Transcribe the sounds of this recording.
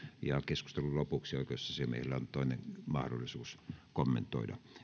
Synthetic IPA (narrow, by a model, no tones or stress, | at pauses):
jɑkesku̥st̪elullopuksioˑikoosːɑsemḛˑilːæont̪oˑineŋmɑhdo̰lːˑisuːskomːent̪ˑo̰ˑidɑ̰